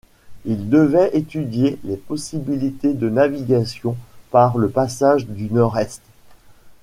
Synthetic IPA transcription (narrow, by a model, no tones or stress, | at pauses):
ild̪əvɛet̪yd̪jelepɔsibilit̪ed̪ənaviɡasjɔ̃paʁləpasaʒd̪ynɔʁɛst̪